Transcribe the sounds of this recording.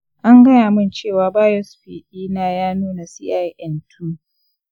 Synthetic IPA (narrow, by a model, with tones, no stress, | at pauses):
ʔa˦ŋɡɐ˦jaː˨mɪ˦˨nt͡ʃeː˦˨waː˨baː˦jɔ˦sɸḭː˨ʔiː˦naː˦jaː˦nuː˦na˨siː˦ʔa˦jʔɛ˦ntʰuː˦